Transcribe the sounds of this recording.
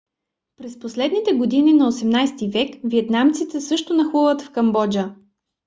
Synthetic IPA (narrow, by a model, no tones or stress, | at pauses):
pɾɛsposlɛd̪nit̪ɛɡod̪ininɐosɛmnajst̪ivɛkviɛt̪namt̪sit̪ɛsɤʃt̪onɐxuvət̪fkɐmbɔd͡ʒə